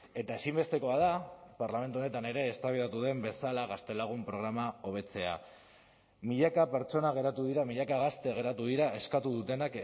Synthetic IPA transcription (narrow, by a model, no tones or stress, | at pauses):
e̞t̪aesimbe̞st̪e̞ko̞að̞apaɾlame̞nt̪uone̞t̪ane̞ɾe̞ːst̪aβiðat̪uðe̞mbe̞salaɣast̪e̞laɣ̞umpɾo̞ɣ̞ɾamao̞β̞e̞t͡se̞a̰ | miʎakape̞ɾt͡ʃo̞naɣ̞e̞ɾat̪uðiɾamiʎakaɣast̪e̞ɣe̞ɾat̪uðiɾae̞skat̪uðut̪e̞nak